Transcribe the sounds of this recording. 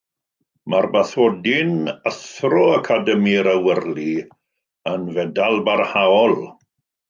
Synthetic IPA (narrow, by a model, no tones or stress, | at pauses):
marbaθɔdɪnəθrɔakʰadəmiɾəwərli | ənvɛdalˠbarhaɔlˠ